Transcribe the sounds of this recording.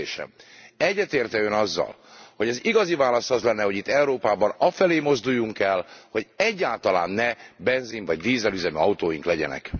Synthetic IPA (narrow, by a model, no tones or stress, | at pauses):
eːʃɛ̰mɛɟːɛt̪eːrt̪ɛønɒzːɒ̰l | ho̞ɟɛziɡɒzivaːlɒst̪ɒzlɛnːɛho̞ɟit̪ːɛuɾoːpaːbɒnɒfɛleːmo̞zd̪ujːuŋkɛlho̞ɟɛɟːaːlt̪ɒla̰ːnːɛbɛnziɱvɒɟd̪iːzɛlyzɛmyɒwt̪oːjiŋklɛɟɛ̰nɛ̰k